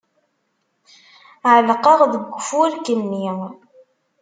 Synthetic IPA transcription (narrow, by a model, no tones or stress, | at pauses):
ʕəlqɑʁðəɡʷːəfuælkənːi